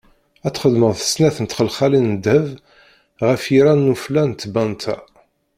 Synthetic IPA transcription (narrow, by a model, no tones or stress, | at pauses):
æt̪ːχəd̪məʁˤθə̥snæθənət̪χəlχælinəd̪əv | ʁəfjiɾænːuflænt̪ːbænt̪ʰæ